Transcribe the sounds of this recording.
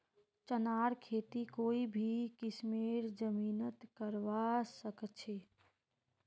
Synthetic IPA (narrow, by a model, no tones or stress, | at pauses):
t͡ʃənaːɾkʰeːt̪ikoːibʱikɪsmeːɾd͡ʒəmiːnət̪kəɾʋasəkt͡ʃʰeː